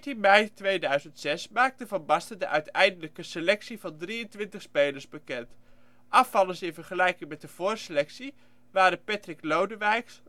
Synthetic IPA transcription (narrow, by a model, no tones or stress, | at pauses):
tinmɛjtʋejdœɥzəntsɛsmaːk̚təvɑnbɑstədəʔœɥtʰɛjndələkəsəlɛksivɑndrijəntʋɪntəχspejləɹsbəkɛnt | ʔɑfɑlˠənsɪnvərχəlɛjkɪŋmɛt̚dəv̥ʊːrsəlɛksi | ʋaːɾəpɛtrɪklowdəʋɛjks